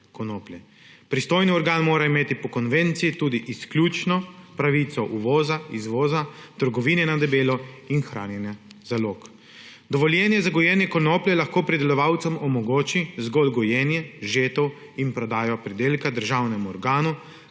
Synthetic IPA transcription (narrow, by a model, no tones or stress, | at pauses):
kɔnoːpljɛ | pɾist̪oːjniɔɾɡaːnmoːɾaimeːt̪ipɔkɔnʋent̪siit̪uːd̪iʔisklʲjuːt͡ʃnɔpɾaʋit̪sɔʔuʋɔːzaizʋoːzat̪əɾɡɔʋiːnɛnad̪ɛbeːlɔinxɾʔa̰ːnjɛnjazaloːk | d̪ɔʋɔljɛːnjɛzaɡɔjɛːnjɛkɔnoːpljɛlaxkoːpɾid̪ɛlɔʋawt̪sɛmɔmɔɡoːt͡ʃizɡɔlɡɔjɛːnjɛʒeːt̪ɔw | inpɾɔd̪aːjɔpɾid̪eːlkad̪əɾʒawnɛmuɔɾɡaːnu